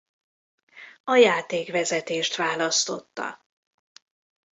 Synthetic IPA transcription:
ɒjaːt̪eːkvɛzɛt̪eːʃt̪vaːlɒst̪o̞̰t̪ːɒ̰

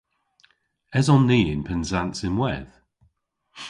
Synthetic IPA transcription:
ɛzɔnːiːɪ̃npʰənzantsɪmwɛ̰ð̥

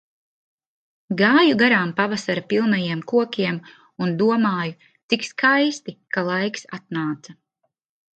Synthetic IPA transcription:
ɡaːjuɡaɾaːmpavasaɾapilˠnajiɛmkuɔkʲiɛm | und̪uɔmaːju | t̪sikskajst̪ikalˠajksa̰t̪̚naːt̪sa

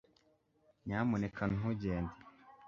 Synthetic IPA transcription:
ɲaːmonekʰanuɦuɟeːnde

